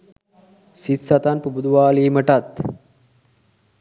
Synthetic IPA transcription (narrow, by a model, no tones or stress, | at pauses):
sit̪sat̪anpubud̪uʋaːliːməʈat̪